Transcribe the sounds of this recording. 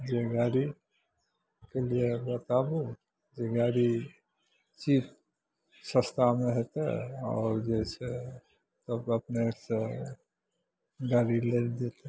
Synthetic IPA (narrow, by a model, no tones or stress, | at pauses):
d͡ʒeɡaːɾi | keliebət̪aːbu | d͡ʒeɡaːɾi | t͡ʃiːt̪ | sə̃st̪ʰameɦɛt̪ḛɔ̰ːɾd͡ʒɛːse | t̪əbəpnese | ɡaːɾileld̪et̪e